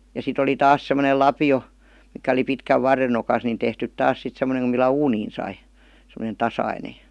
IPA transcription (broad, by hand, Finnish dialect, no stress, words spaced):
jɑ sit oli tɑːs semə̆nel lɑpio mikæ oli pitkæʋ ʋɑrːen̆ nokɑs nin tehtyt tɑːs sit semˑə̆neŋ ku milːæ uːniːn sɑi semonen̞ tɑsɑine